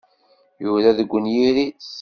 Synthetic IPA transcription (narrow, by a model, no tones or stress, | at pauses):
juɾæðəɡʷːənjiɾis